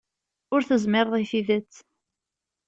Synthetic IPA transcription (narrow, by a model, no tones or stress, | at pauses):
ʊɾθəzmɪɾˤðˤiθiðət͡sː